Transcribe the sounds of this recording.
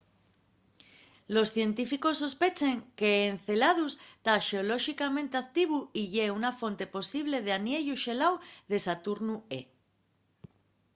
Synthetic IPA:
lo̞sθje̞nt̪ifikosːo̞spet͡ʃeŋkeːn̟θelað̞ust̪aʃeoloʃikamẽnt̪eakt̪iβ̞uiʎeunafo̞nt̪e̞po̞siβleð̞eanjeʎuʃelawðe̞sat̪uɾnue

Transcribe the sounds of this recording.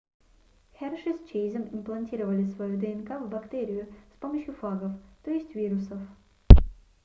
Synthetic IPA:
xʲɛrʂɨst͡ɕejzəmɪmplˠɐnʲtʲiɾəvəlʲɪsvɐjud̪əɛnkavbɐkt̪eɾʲɪjʊspoməɕjʊflˠaɡəft̪oɪsʲtʲvʲiɾʊsəf

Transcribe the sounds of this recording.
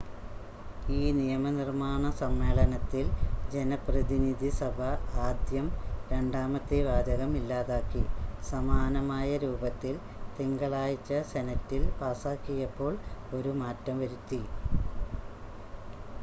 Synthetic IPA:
iːnijɐmɐnirmaːɳɐsɐmːe̞ːɭɐnɐt̪ːild͡ʑe̞nɐprɐðinid̪ʱisɐbʱɐaːd̪jɐmɾe̞ɳɖaːmɐt̪ːiʋaːd̪ɐɣɐmilːaːðaːkːisɐmaːnɐmaːjɐɾuːbɐt̪ːil | t̪iŋɡɐɭaːjit͡ɕːɐsenɐtːilpaːsaːkːijɐpːo̞ːɭo̞ɾumaːtːɐmʋɐɾut̪ːi

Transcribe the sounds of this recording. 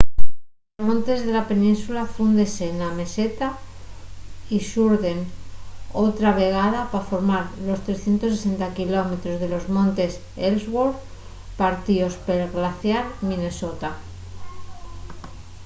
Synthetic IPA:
mõ̞nt̪e̞zðe̞lape̞nĩnsulafund̪ese̞ːname̞se̞t̪a | iʃuɾðe̞n | o̞t̪ɾaβe̞ɣ̞að̞apafo̞ɾmaɾlo̞st̪ɾe̞sθje̞nt̪o̞s̬ese̞nt̪akilome̞t̪ɾo̞zðe̞lo̞zmõ̞nt̪e̞s | elzɣoɾ | paɾt̪io̞spelɣlaθjalmĩne̞so̞t̪a

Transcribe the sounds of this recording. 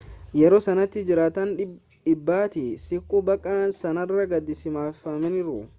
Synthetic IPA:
jɛɾoːsɐnɐt̪ːɪd͡ʒɪɾaːt̪ɐn | ᶑɪbːaːt̪ɪsɪkːubɐkʼːaːnsɐnɐrːɐɡɐd̪ːɪsɪmaːfɐmɛnɪɾʊ

